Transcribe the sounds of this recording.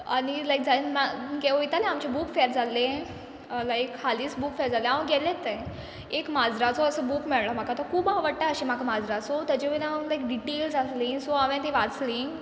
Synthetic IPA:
a̰ñilajk̚d͡zainmaɡeʋoit̪alẽamt͡ɕebuːkfeɾd͡zalẽ | lajkʰːaliːsbuːkfeɾd͡zalẽaʋə̃ɡɛlẽt̪ːẽ | ekmad͡zɾat͡sɔəsəːbuːkmɛɭɭam̤akat̪ɔkʰuːbaʋəɽʈaəɕimakamad͡zɾat͡sot̪əd͡ʑeʋenaə̃nlajk̚ɖiʈeːlsasliːnsoaʋẽt̪ẽʋat͡sliː

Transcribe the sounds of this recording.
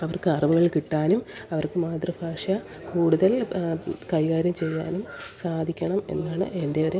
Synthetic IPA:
ɐʋɐrkɨɐrɐʋuɣɐɭkiʈːaːnumɐʋɐrkɨmaːt̪rɐbʱaːʂɐ | kuːɽuðɐl | kɐjɣaːɾjɐmt͡ɕe̞jːa̰ːnumsaːd̪ʱikʲːɐɳɐme̞̰nːaːɳɨ̰e̞nde̞ʋɐɾe

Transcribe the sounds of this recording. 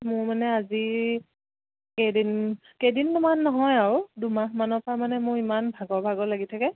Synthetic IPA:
mʊɹmanɛazi | kedin | kejdindumanːɔɦɔjaɹʊdumaɦmanɔpʰamanɛmʊɹimanbʱaɡɔbʱaɡɔlaɡitʰakɛ

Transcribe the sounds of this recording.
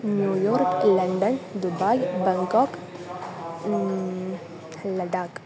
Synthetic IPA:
njujɔːɾklɐ̃ɳɖənd̪ʊbajbɛŋkɔk | ləɖak

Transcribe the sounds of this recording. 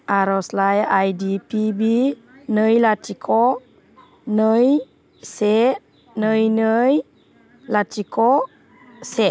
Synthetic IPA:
ʔaɾɔslajajdipibi | nəjlatikʰɔʔ | nəj | se | nəjnəj | latikɔʔ | se

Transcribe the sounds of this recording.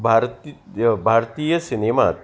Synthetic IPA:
bʱaɾtbʱaɾt̪ijəsinemat̪

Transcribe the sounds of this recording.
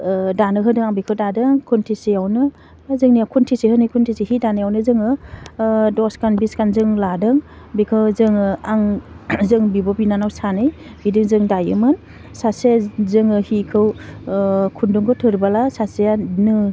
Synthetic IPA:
danɯɦɯdɯŋaŋbikʰɯwdadɯŋkʰuntʰisijawnɯ | zɯŋnijawkʰuntʰisihɯnɯjkʰuntʰisihidanɯjawnɯzɯŋɯ | dɔskanbiskanzɯŋladɯŋ | bikʰɯwzɯŋaŋzɯŋbibɔbinanawsanɯj | bidɯŋzɯŋdajɯ̰mɯn | sasazɯŋɯhikʰɯw | kʰunduŋɡɯtʰɯɾbalasasianɯ

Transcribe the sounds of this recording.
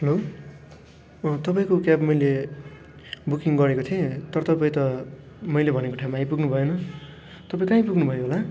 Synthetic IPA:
hʌlo | t̪ʌpaĩkokjapmʌjle | bukiŋɡʌɾekot̪ʰiẽt̪ʌɾʌt̪ʌpaĩt̪ʌ | mʌjlebʱʌnekoʈʰamːajpuɡnubʱʌjenʌ | t̪ʌpaĩkaĩpuɡnubʱʌjoɦola

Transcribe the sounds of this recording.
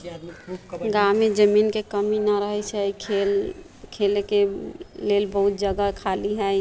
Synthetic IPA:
ɡamed͡ʒəmiːnkekəminaɾəɦɛt͡ʃʰɛikʰel | kʰelkelelbəɦut̪̚d͡ʒəɡakʰaliɦɛ

